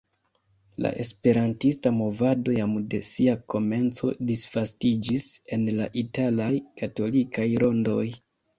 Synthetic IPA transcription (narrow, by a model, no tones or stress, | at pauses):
la̰ʔe̞spe̞ɾantistamo̞vado̞jamde̞siako̞me̞nt͡so̞̰disv̥astid͡ʒise̞nlaʔitalajkato̞likʰajɾo̞ndo̞j